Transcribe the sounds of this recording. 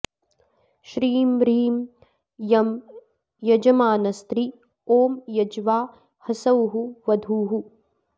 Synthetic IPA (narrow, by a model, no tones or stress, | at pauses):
ʃɾiːmɾiːm | jɐm | jɐd͡ʒɐmaːnɐst̪ɾi | oːmjɐd͡ʒʋaː | hɐsɐwɦuʋɐd̪ʱuːɦu